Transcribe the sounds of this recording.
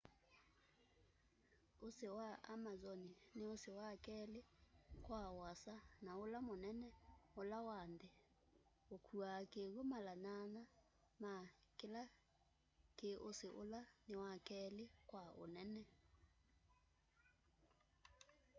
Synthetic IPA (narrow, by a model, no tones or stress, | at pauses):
osewaamazɔneneosewakɛlekwaoasanaolamonɛnɛolawande | okʰuakeɣomalanana | makela | keʔoseʔo̰lanewakɛːlekwao̰nɛnɛ